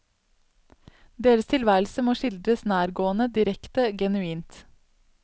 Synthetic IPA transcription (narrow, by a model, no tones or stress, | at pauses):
d̪eːɾəst̪ʰɪlʋæːl̩səmoːʃɪld̪ɾəsnæːɾɡoːənəd̪ɪɾɛkt̪əɡɛnʉiːnt̪